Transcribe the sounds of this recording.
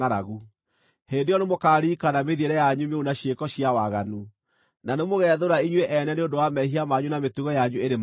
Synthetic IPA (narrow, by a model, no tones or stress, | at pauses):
aɾaɣu | hendejɔnemokaːɾiːkanameðiɛɾɛjaɲumeunaɕjekɔɕiawaɣanu | nanemoɣɛðoɾaiɲwɛʔɛnɛneondowamɛɦiamaɲunametuɣɔjaɲueɾem